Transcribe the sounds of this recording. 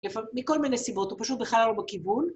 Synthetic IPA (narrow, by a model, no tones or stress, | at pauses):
lefammiko̞lminesibo̞t̪upaʃut̪̚beχalalobakivun